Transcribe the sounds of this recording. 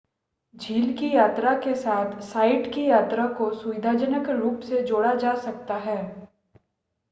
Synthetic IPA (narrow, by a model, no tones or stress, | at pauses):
d͡ʒʱiːlkijaːt̪ɾakesaːt̪ʰsaːɪʈkijaːt̪ɾakosʊʋɪd̪ʱaːd͡ʒənəkɾuːpsed͡ʒoːɽad͡ʒaːsɐkt̪aɦɛː